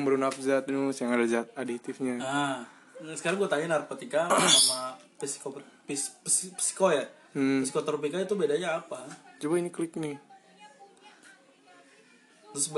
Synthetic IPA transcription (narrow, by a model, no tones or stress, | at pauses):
bəɾunafzat̪̚nusjaŋadad͡ʒat̪̚adit̪ɪfɲaa | sə̥kaɾaŋɡuat̪aɲanarpat̪ikasama | pisi̥kopispspi̥si̥koja | m̩m̩isikot̪ɾop̬ikait̪ubedaɲaːpad͡ʒubainiklɪk̚nɪ | t̪ɾʊs